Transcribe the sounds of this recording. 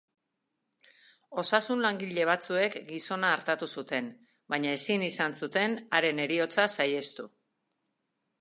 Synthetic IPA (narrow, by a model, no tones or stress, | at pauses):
o̞sasunlaŋɡiʎe̞β̞at͡sue̞kɡiso̞naːɾt̪at̪usut̪e̞n | bajɲae̞sinisansut̪e̞naɾe̞ne̞ɾio̞t͡sasaje̞st̪u